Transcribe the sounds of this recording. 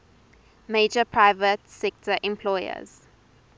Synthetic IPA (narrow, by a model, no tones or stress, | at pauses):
meːd͡ʒəpʰɹaɪvətsɛk̚tʰəʔɛ̃mpʰlɔjə̰z̥